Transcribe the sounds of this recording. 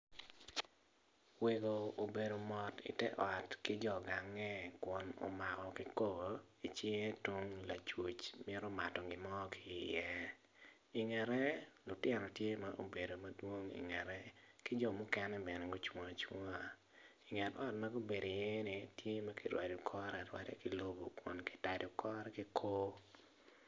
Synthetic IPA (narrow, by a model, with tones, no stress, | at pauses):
we˨ɡo˨o˨be˨do˨mɔ˨tḭ˨tɛ˦ʔɔ˨tkɪ˦d͡ʒɔ˦˨ɡa˨ŋːɛ˦kwɔ˦no̰˨ma˨ɣɔ˨kɪ˦ko˦ɡo˨ | i˨t͡ʃɪ˦e˦two˦ŋla˨t͡ʃu˨t͡ʃmɛ˦ɾɔ˦ma˨tɔ˨ɡɪ˨mɔ˦ki˦i˨jɛ˦ | i˨ŋɛ˨ɾɛ˦lʊ˨tjɛ˨nɔ˨tje˦ma˦ʔo̰˦be˨do˨ma˦dwo˦ŋḭ˨ŋɛ˨ɾɛ˦kɪ˦d͡ʒɔ˨mʊ˦kɛ˦nɛ˦bɛ˨nɛ˨ɡo˦t͡ʃwa˨t͡ʃwa˦ | i˨ŋɛ˨tɔ˦tma˦ɡo˦be˨do˨je˦ni˨tje˦ma˦ki˦ɾwa̰˨du˨kʰɔ˦ɾɛ˨ɾwa̰˦tɛ̰˦ki˦lo˦bo˨kwɔ̰˨nki̥˦ta˨dɔ˨kʰɔ˦ɾɛ˦ki˦kʰo˦